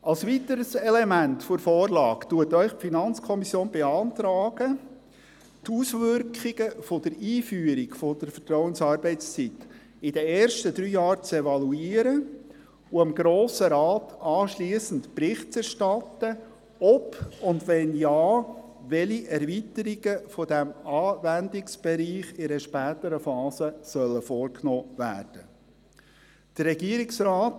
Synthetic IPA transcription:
ɑlsʋitəɾəsɛlɛmæntfʊɾfɔːɾlɑ̰ːktuətœʏχpfinɑnt͡skʰɔmisjoːnbeɑːntɾɑːɡ̥ə | tʰuːsʋʏɾkχɪɡ̥əfod̥əɾiːfyːəɾiɡfod̥əɾfə̥tɾɔwənsɑːɾbɛɪst͡sit | ɪd̥ɛɛːɾʃtəd̪ɾyːjɑːɾt͡sɛvɑluiːəɾə | ʊɑmɡɾoːsəɾaːtɑːʃliːəsən̩tprɪχtt͡sɛɾʃtɑt̪ːə | ɔpʊndʋɛnjɑː | ʋɛliʔɛɾvitəɾiɡ̥əfɔdæmɑːvændɪksb̥ɛɾiːχɪnəʃpæːt̪əɾəfɑːzəsœləfɔːɾknɔːvæ̰ːrd̥ə | d̥ərːɛɡ̥iːəɾɪksɾɑːt

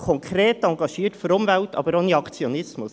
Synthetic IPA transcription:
kʰɔŋkʰɾeːt̪ɑŋɡɑʃiːərtføɾʊmvæltɑ̰ːbəɾoniɑkt͡sjonɪsmʊs

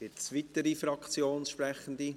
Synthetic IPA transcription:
ɪt͡sʋit̪əɾifɾɑkt͡sjoːnsʃpɾɛχən̩d̪i

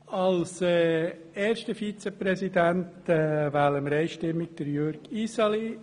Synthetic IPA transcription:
ɑlsɛ | ɛːɾʃtəfit͡sɛpɾɛsidænt | ɛvæːləmɾɛɪʃtɪmːɪɡ̥̚d̥əɾjøɾɡ̥isɑli

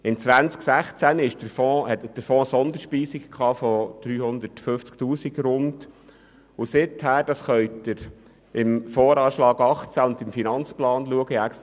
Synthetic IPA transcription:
ɪnt͡sʋænt͡sksæχt͡sænɪʃd̥əɾfɔ̃ːhɛtd̥əɾfɔ̃ːsɔnd̪əɾʃpiːsikkʰɑːfɔd̪̥ɾyːhʊnd̪ətføft͡sktuːsiɡɾʊnd | ʊsɪthæːɾd̥ɑsχœʏtəɾ | ʔɪmfɔːɾɑːʃlɑːɡɑχt͡sæʊnd̪ɪmfinɑnt͡splɑːnluəɡəækst

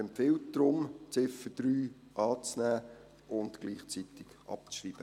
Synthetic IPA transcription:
ɛmpfɪlt̚d̪̥ɾʊmt͡sɪfəd̥̪ɾyː | ʔɑːt͡snæː | ʔʊntɡ̥liːχt͡sit̪ɪɡ̥ʔɑ̰p̚t͡sʃriːb̥ə

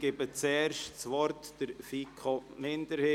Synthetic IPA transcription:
ɡ̥eːbət͡sɛːɾʃt͡sʋɔɾtd̥əɾfikʰomɪndəɾhe

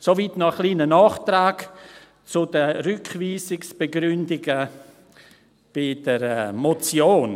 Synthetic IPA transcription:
sovitnɔxliːnənɑːχtɾaːɡ | t͡sʊdərʏkχviːsɪksb̥eɡɾʏndɪɡə | b̥ɪd̥əɾɛmot͡sjoːn

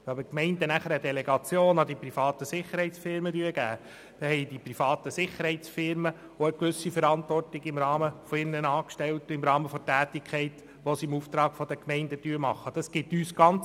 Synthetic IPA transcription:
ʋɑbəkmɛɪndənæχəɾədeleɡɑt͡sjoːnɑdiprifɑːt̪əsɪχəɾhɛɪtt͡sfɪɾmədyːəɡ̥æː | d̥ɛhɛɪd̥ipɾifɑːt̪əsɪχəɾhɛɪt͡sfɪɾmə | oəkʋʉsifəɾɑntʋɔrtɪɡɪmɾɑːməfɔɪnnənɑːkʃtɛltɪmɾɑːməfɔtæːtɪkʰχɛɪt | ʋɔsiɪmuft̪ɾɑːɡ̥fɔd̥̪əkmɛɪndəd̥yːəɾmɑχːəd̥ɑsɡ̥ɪtyːsɡ̥ɑnt͡s

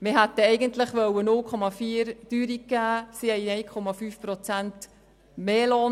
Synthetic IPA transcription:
mɪɦæt̪əɛɪɡənt̪ləχʋœwənʊlkʰɔmɑfiːəɾd̥yːɾikæːsihɛɪɛjkʰɔmɑfyːfpɾɔt͡sænt | meːlɔːn

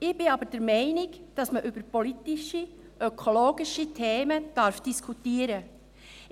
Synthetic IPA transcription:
ɪb̥ɪɑbəɾd̥ɛɾmɛɪnɪɡd̥ɑsməʔybəɾpolitɪʃi | ʔœkʰoloːɡɪʃitʰeːməd̥ɑɾfd̥iskʰutiəɾə

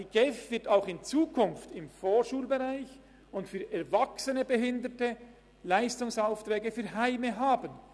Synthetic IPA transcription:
iɡ̥ɛfvɪɐtaʊxɪnt͡suːkʰʊnftɪmfoːʃuːlbeʁaɪç | ʊntfyːʔɛɐvaksənəbəɦɪndətə | laɪstʊŋsaʊftrɛːɡəfyːɦaɪməɦaːbən

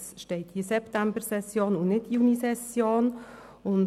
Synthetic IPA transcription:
sʃteɪtisɛptæmbəɾsɛsjoːnunɪtjuːnisɛsjoːn | ʊn

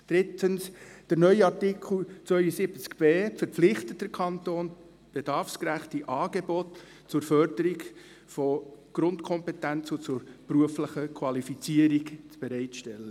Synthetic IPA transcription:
d̥ɾɪtʰənsd̥əɾnœʏɑrtɪkʰl̩t͡sʋœʏəsɪbət͡skb̥eːfəɾpflɪχtətd̥əɾkʰɑntoːn | b̥ed̥ɑɾfskɾæχtiʔɑːɡebɔt | t͡sʊɾfœɾdəɾiɡ | fɔɡ̥ɾʊntkʰɔmpɛtænt͡sʊt͡sʊɾpruəfləχəkʰwɑlifit͡siəɾikt͡sb̥eɾɛɪtʃtɛlːə

